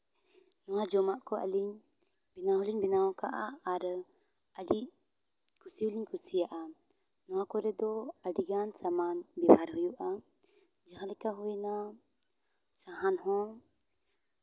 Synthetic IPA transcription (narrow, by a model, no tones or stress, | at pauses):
nɔwad͡ʒɔmaʔkɔa̰liŋbinaɦɔliŋbinaɔka̰ʔaaɾ | aɖi | kusiliŋkusijaʔanɔwakɔɾɛd̪ɔadiɡansamanbibaɾɦɔjuʔa | d͡ʒɛxalɛkaɦɔina | saɦanɦɔ̃